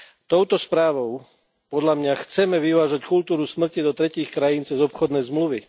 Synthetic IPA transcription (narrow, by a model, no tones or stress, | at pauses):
t̪ɔʊt̪ɔspɾaːʋɔʊ | pɔd̪lamɲaxt͡sɛmɛʋiʋaːʒackult̪uːɾusmr̩cid̪ɔt̪ɾɛciːxkɾajiːnt͡sɛzɔpxɔd̪nɛjzmluʋi